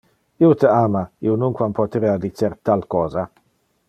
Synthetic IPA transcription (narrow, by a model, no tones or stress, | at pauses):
iut̪əaːmaiunuŋkwampot̪ɾead̪it͡sːeɾt̪alkɔːza